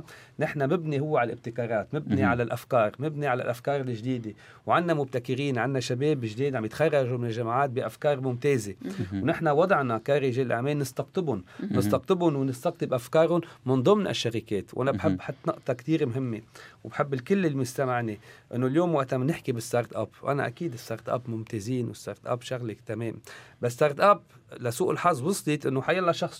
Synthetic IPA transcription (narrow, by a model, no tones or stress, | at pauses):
nɪħnamɪbnihʊwːeʕalʔɪb̚t̪ɪkɑːɾˤɑːt̪mɪbniʕalalʔafkɑːɾˤmɪbniʕala̰lʔafkɑːɾˤɪlɪʒd̪iːd̪e | wʕanːamʊb̚t̪akɪɾiːnʕanːaʃabeːbʒd̪iːd̪ʕambjɪt̪xɑrˤːɑʒumɪnɪlʒamʕaːt̪̚biʔafkɑːɾˤmʊmt̪eːzewnɪħnawɑd̪ˤʕnakaːɾɪʒeːlʔaʕmeːlːɪst̪ɑqt̪ˤɪbʊnnɪst̪ɑqt̪ˤɪbʊnwnɪst̪ɑɣt̪ˤɨbʔafkɑːɾˤʊnmɪnd̪ˤʊmnʔa̰ʃːaɾikeːt̪wʔanabħɪbːħɑt̪ːnʊʔt̪ˤɑkt̪iːɾmɦɪmːewbħɪbːɪlkɪlːɪlːmʊst̪amaʕneʔɪnːoljoːmwaʔt̪amanɪħkibɪst̪ɑɾˤt̪ʔa̰pʔa̰na̰ʔa̰kiːd̪ɪst̪ɑ̰ɾˤt̪ʔa̰pmʊmt̪eːziːnwɪst̪ɑ̰ːɾˤt̪ʔa̰pʃaɣlɪkt̪ameːmbas̬t̪ɑːɾˤt̪ʔap | lasuːʔɪlħɑzˤwɑsˤlit̪ʔɪnːoħajalːaʃɑxsˤ